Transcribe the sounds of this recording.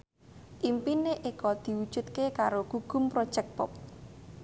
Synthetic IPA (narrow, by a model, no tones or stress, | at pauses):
ʔimpineʔekɔd̪̥i̤wud̥ʒ̥ṳt̪̚kekaɾoɡ̥uɡ̥ʊ̤mpɾɔd̥ʒ̥ɛk̚pɔ̰p̚